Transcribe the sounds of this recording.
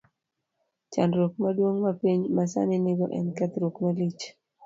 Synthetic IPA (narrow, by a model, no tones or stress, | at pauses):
t͡ʃandɾokmadwoŋmapiɲmasa̰nɪnɪɡɔ̰ʔɛ̰nkat̪ɾokmalit͡ʃ